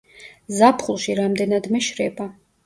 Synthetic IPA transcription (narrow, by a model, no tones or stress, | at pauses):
zapʰχulˠʃiɾamd̪ɛnad̪mɛʃɾɛba